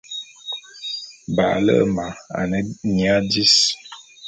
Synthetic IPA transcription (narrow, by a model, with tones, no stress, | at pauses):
ba˨ʔlə̰˦˨ma˨a̰˨nə˨nja˦di˦s